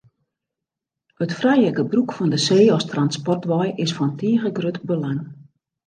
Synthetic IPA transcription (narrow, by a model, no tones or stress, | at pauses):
ətfrɛjəkəbrukfɔndəseːɔstranspɔrtʋɔjɪsfɔntiəɣəɡrøtbəlaŋ